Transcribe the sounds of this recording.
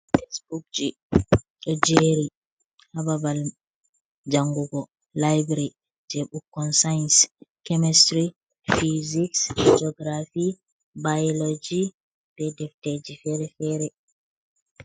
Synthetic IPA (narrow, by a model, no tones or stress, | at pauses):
fɛsbuk̚d͡ʒi | ɗɔd͡ʒeɾi | hababal | d͡ʒaŋɡuɡɔ | lajbɾi | d͡ʒɛɓukːɔnsajnskɛmɛstɾi | fiziksd͡ʒɔɡɾafi | bajɔlod͡ʒi | bɛdɛfted͡ʒifɛɾɛfɛɾɛ